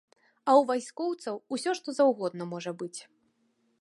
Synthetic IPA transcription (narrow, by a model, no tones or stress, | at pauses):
ɐwvajsʲkɔwt̪sɐwusʲɔʂt̪ɔzawɣɔd̪nɐmɔʐɐbɨt͡sʲ